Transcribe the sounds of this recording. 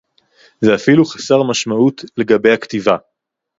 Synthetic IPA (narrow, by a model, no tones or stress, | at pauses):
zeafiluχḁseʁmaʃmautle̞ɡabe̞jhaktiva